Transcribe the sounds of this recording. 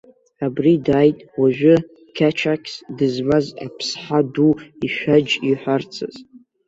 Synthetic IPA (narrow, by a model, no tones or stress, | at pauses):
abridaːjtʼwaʒᶣʊ | kʲʰat͡ʃʰakʲʰsdɨzmaza̰pʰsħaduiʃʷᶣad͡ʒiħʷart͡sʰa̰z̥